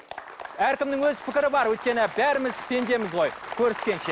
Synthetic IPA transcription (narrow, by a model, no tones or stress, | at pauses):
æɾkʲɪmnɪŋwɵzpʰɪkʲɪɾɪbɑɾwɵjt̪kʲe̞nɪbæɾɪmɪzpʲʰe̞nd̪e̞mɪzʁo̞jkʲʰɵɾɪskʲe̞nʃe